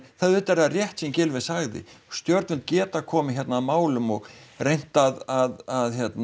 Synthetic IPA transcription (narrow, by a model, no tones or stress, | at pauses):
θaðʏːt̪ɛɾarjɛht̪sɛmcɪlvɪðsaɣðɪ̰st̪jœɾt̪ʏnt̪̚cɛːt̪akʰɔːmɪçjɛt̪naːðmaːwlʏmɔɣrejn̥t̪aðaðaðçjɛt̪n